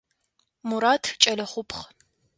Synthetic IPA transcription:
muɾaːtʰt͡ʃʼɐlɐχʷʊpʰχ

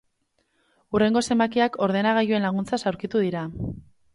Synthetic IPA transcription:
ure̞ŋɡo̞se̞mbakiakʰo̞ɾðe̞naɣajue̞nlaɣ̞unt͡sasawɾkit̪uð̞iɾa

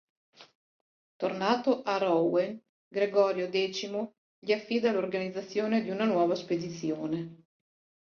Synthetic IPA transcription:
t̪ornaːt̪oʔaɾɔwen | ɡɾeɡɔːɾjod̪ɛːt͡ʃimo | ʎiafːid̪alorɡanid̪zːat̪sːjoːned̪iunanwɔːvasped̪it̪sːjoːne

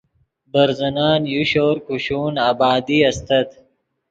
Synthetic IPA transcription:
bɐɾzɐnaːnjuɕoːɾkuɕuːnaːbɑːd̪iɐst̪ɐd̪

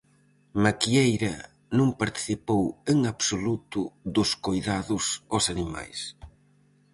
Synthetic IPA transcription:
makiejɾɐ | nũŋpaɾt̪i̥θipoweŋaβsolut̪ʊðʊskojðaðʊsɔsanima̰js

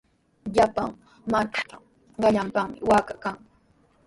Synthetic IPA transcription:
ʎapaŋ | maʈ͡ʂḁt̪a | ɢɑʎampaχmɪ̰waːkakaŋ

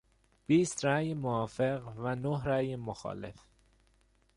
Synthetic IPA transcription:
b̥iːst̪ɾæːjemoɒːfeɣvænoɦɾæːjemoxɒ̰ːlḛf

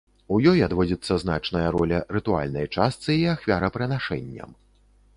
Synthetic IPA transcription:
ujɔjad̪vɔd͡zʲit̪sːɐzn̪at͡ʂnɐjɐɾɔlʲɐɾɨt̪ua̰lʲnɐ̰jt͡ʂast̪sɨiaxvʲaɾɐpɾɨnaʂɛ̰nʲːɐ̰m

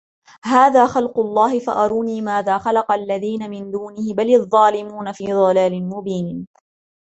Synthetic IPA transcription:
haːðaːxɑlqʊlˤːɑːhɪfa̰ʔɑɾˤuːniːmaːðaːxalɑqɑlːaðiːnamɪnd̪uːnɪhɪbalɑðˤːɑːlɪmuːnafiːd̪ˤɑlaːlɪnmʊbiːn

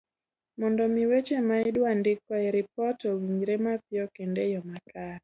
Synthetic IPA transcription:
mɔndɔmiwet͡ʃemaɪdwandɪkɔɛɾip̚ɔtɔwiɲɾemapjɔkendejɔmapɾa

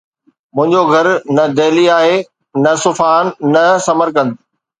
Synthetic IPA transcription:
mʊ̃ɦɪ̃ɲd͡ʑoɡʱɐɾnɐd̪eːliaːɦe | nɐsʊfaːnːɐsɐməɾkɐ̃nd̪

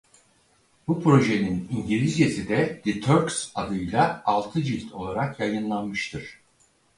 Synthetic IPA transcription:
bupʰɾo̞ʒe̞niniɲɟilʲizjesid̪ɛd̪̥it̪ʰøɾksad̪ɯjlˠaːlˠt̪ʰɯd͡ʒilʲt̪ʰo̞̰lˠaɾakjajɯnlˠanmɯʃt̪ʰɯɾ̥

